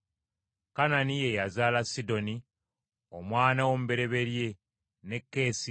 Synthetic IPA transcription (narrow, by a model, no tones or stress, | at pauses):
kananije̞jazaːlasido̞ni | o̞mwaːnawo̞mube̞ɾe̞βe̞ɾje̞ | ne̞kːe̞ːsi